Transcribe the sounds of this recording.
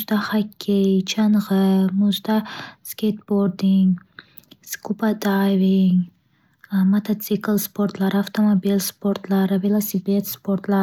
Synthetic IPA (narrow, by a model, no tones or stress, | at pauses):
zd̪ahakʲʰːejt͡ʃʰanʁɨmʊzd̪askʲejt̪boɾd̪iŋ | skʰupat̪ajviŋ | mat̪ʰat̪siklˠspʰoɾt̪lˠaɾɪaft̪ʰomobilspʰo̞ɾt̪lˠaɾɪvelˠosipet̪spoɾt̪la